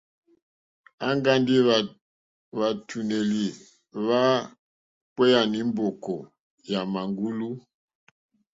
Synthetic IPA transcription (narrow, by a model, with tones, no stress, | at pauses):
a˦ŋɡa˦ndi˦˨ | βa˨tʰu˨ne˨li˨ | βa˦ | k͡pwɛ˦ja˨ni˨˦m˦bɔ˨kɔ˨ | ja˨ma˨ŋɡu˦lu˦